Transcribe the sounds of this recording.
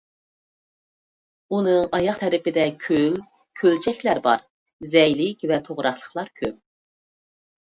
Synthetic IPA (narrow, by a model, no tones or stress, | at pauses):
unɨŋɑjɑχt̪ʰɛɾɪpɪd̪ɛkʲʰøl | kʲʰølt͡ʃʰɛkʲlæɾbɑ̰ɾ | zɛjlɪkʲvɛt̪ʰoʁɾɑχlˠəχlˠɑɾkʲʰøp̚